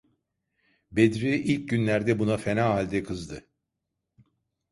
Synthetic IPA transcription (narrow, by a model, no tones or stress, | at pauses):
bed̪ɾiʔilʲc̚ɟynlʲæɾd̪ɛbunafe̞naːɦalʲd̪ɛkʰɯzd̪ɯ